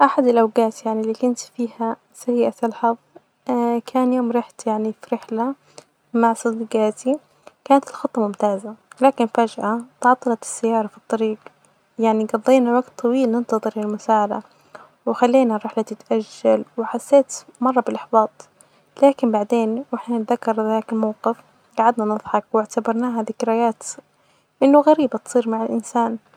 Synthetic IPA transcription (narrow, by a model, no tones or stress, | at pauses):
ʔaħad̪ɪlʔawɡaːt̪jaʕnilːikʊnt̪fiːha | saiːʔat̪ɪlħɑð | kʰaːnjoːmɾɪħt̪jaʕnifɾɪħla | maʕsˤɨd̪ɡaːt̪i | kaːnat̪ɪlxɑt̪ˤːɑmʊmt̪aːzalaːkɪnfad͡ʒʕat̪ʕɑt̪ˤːɑlɑt̪ɪ̥sːajːɑːɾˤɑfi̥t̪ˤːɑɾiːɡ | jaʕniɡɑd̪ˤːiːnawaɡt̪ˤʰːɑwiːlnɪnt̪ɑðˤɨɾɪlmʊsaːʕad̪a̰ | wɪxalːiːnaɾˤɑħlat̪ɪt̪ʔaʒːalwɪħasːeːt̪mɑrˤːɑbɪlʔɪħbɑːt̪ˤ | laːkɪmbaʕd̪eːnwɪħnɪt̪ðakːɑɾˤðaːkɪlmawqɪf | ɡaʕad̪nanɨðˤħɑkwɪʕt̪abɑɾˤnaːɦaðɪkɾɪjaːt̪ | ʔɪnːʊɣaɾiːbat̪sˤiːɾmaʕalʔɪnsaːn